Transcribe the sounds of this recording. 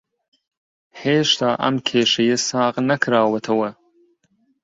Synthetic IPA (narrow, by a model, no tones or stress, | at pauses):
heːʃt̪ɑːʔɐ̰mkʰeːʃɐjesɑːɣnɐkɾɑːwɐt̪ʰɐwɐ